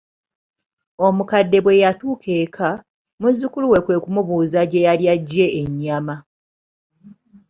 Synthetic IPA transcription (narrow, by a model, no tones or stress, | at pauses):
o̞mukadːe̞βwe̞jatuːkʰe̞ːkʰa | muzːukuluwe̞kwe̞ːkumuβuːzaɟe̞jaljaɟːe̞ːɲːama